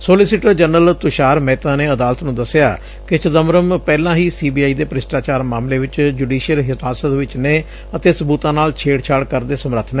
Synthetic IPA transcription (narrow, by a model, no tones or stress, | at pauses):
soːlɪsɪʈəɾd͡ʒənəlt̪ʊʃaːɾmɛːt̪ãːneːəd̪aːlt̪nũːd̪əsɪja̰ː | kɪt͡ʃəd̪əmɾəmpɛːlãːɦiːsiːbiːaːiːd̪eːpɾɪsʈaːt͡ʃaːɾmaːmleːʋɪt͡ʃd͡ʒuɖiːʃijəlɦɪtaːsət̪ʋɪt͡ʃneː | ət̪eːsəbuːt̪ãːnaːlt͡ʃʰeːɽt͡ʃʰaːɽkəɾd̪eːsəmɾət̪ʰnɛː